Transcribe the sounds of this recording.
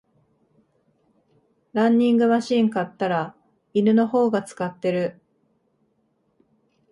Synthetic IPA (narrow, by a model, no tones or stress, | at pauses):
ɾãɲʲːĩŋɡɯ̟maɕĩŋkat̪ːaɾa | inɯ̟no̞ho̞ːɡat͡sɨ̥kat̪ːe̞ɾɯ̟